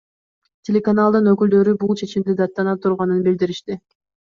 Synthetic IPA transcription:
tʲe̞lʲe̞kanalˠd̪ɯnøkyld̪ø̞ɾybulˠt͡ʃʰe̞t͡ʃimd̪id̪ɑt̪ːɑnɑt̪ʰuɾʁɑnɯnbild̪iɾiʃt̪i

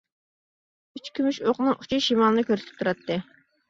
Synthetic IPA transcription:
yt͡ʃkʲʰymyʃoqnɨŋu̥t͡ʃʰiʃimɑlˠɨnɨkʲʰøɾsɪ̥p̚t̪ʰuɾɑt̪ːɨ

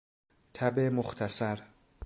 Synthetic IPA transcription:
t̪ʰæbemoxt̪ʰæsæɾ

